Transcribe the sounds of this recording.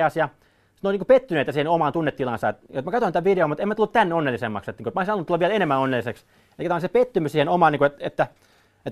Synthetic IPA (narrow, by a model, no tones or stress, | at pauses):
ɑsjɑ | si̥noiniːkupet̪ːynet̪jɑsiːhenomɑnt̪unːet̪tːilɑnsɑet̪jot̪mækɑt̪oint̪æʋideomut̪emæt̪ulːut̪t̪ænːeonːelːisemːɑ̰kset̪niːkuet̪moˑisiɑlunːt̪ulɑʋielenemːænonːelːiseks | eikæt̪æɑˑnsepet̪ːymysiːhenomɑːˑniːkuet̪et̪ːæ | et̪